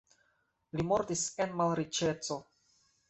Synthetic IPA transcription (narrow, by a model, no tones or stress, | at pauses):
limɔrt̪iskɛnmalɾit͡ʃɛt͡so